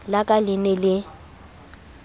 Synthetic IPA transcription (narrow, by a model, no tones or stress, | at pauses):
lakʼalɪnɛlɪ